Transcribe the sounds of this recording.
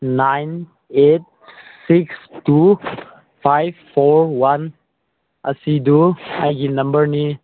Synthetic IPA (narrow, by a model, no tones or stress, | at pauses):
najn | eʈ̚sikstu | fajʋfoɾwɐn | ɐ̰sid̪uajɡinɐ̃mbəɾni